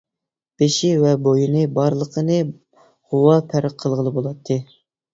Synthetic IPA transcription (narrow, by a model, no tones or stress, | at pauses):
b̥eʃivɛbojinɨbɑɾlˠəqʰənɨ | ʁowɑpʰæɾqʰːəlˠʁəlˠɨbolˠɑt̪ʰːɨ